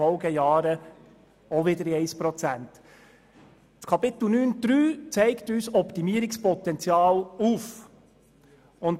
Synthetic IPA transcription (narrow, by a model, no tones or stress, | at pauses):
ɔlɡəjɑːɾə | ɔʋɪdəɾiɛɪspɾɔt͡sænt | t͡skʰɑpɪt̪l̩nyːnd̥ɾyːt͡sɛɪktyːsɔpt̪imiːəɾɪkspɔt̪ɛnt͡sjɑːluːf | ʊn